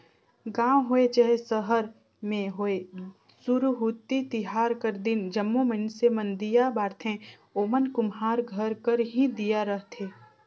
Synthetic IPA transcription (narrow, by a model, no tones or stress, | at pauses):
ɡãːwɦoet͡ʃəɦesəɦəɾ | mẽɦoe | sʊɾɦuːt̪ːit̪ɪɦaːɾkəɾd̪ɪnd͡ʒəmːomənsemənd̪ijabaːɾt̪ʰẽ | oːmənkʊmɦaːɾɡʱəɾkəɾɦid̪ijaɾəɦt̪ʰeː